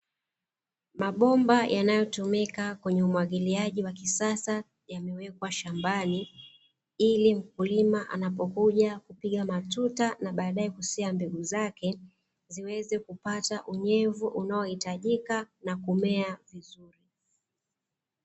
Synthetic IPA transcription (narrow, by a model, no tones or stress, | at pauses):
maɓɔmbajʔanajɔtumikakwɛɲɛumwaɠiliaʄiwakisasa | jamɛwɛkwaʃambani | ilim̩kulimaʔa̰napɔkuʄakupiɠamatutanaɓaːɗaɛkusɛambɛɠuzakɛ | ziwɛzɛkupataʔuɲɛvuʔunaɔhitaʄikanakumɛavizuɾi